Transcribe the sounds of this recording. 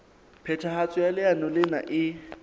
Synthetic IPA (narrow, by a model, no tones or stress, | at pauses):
pʰɛtʰaɦat͡sʼʊalɪanɔlɪna̰ʔɪ